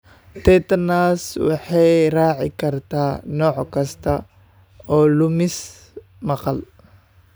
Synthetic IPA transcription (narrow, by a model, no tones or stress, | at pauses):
t̪ʰɛt̪ɐnaːswɑ̰ħɑjraːʕɪ̰kʰɐrt̪ʰaːnɔːʕkʰɐst̪ʰɐ | ɔːlʊmɪs | mɐqɑl